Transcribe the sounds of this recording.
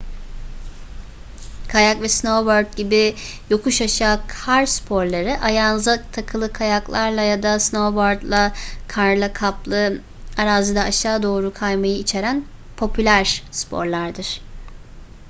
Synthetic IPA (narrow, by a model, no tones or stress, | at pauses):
kʰajakvɛsnoboɾd̪̚ɟibɪ | jo̞kʰuʃaʃaːkʰaɾspʰo̞ɾlˠaɾɯʔajanɯzat̪ʰakʰɯlˠɯkʰajaklˠaɾlˠajad̪asnoboɾd̪lˠakʰaɾlˠakʰaplˠɯ | aɾaːzɯd̪aaʃaːd̪o̞ːɾukʰajmajɯit͡ʃʰe̞ɾæn | pʰo̞pʰylʲæɾspʰo̞̰ɾlˠaɾd̪ɯɾ̥